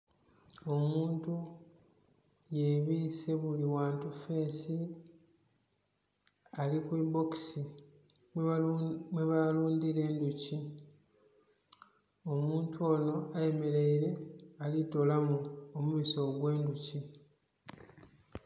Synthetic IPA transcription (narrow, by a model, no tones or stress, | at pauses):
o̞muːntu | je̞βiːse̞βuliwaːntufe̞ːsi | alikuibo̞ksi | m | mweβaluːndiɾe̞ːnduci | o̞muːntʰuo̞ːno̞aje̞me̞ɾe̞iɾe̞alito̞lamuomumiso̞ɡwe̞ːnduci